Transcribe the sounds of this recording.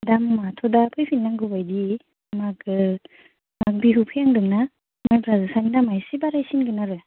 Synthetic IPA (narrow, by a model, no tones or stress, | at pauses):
damːatʰɔdapʰɯjpʰinːaŋɡɯbajdi | makɯ | mak̚biɦupʰijaŋdɯŋna | majbɾazɯsanidamajsibaɾajsinɡɯnaɾɯ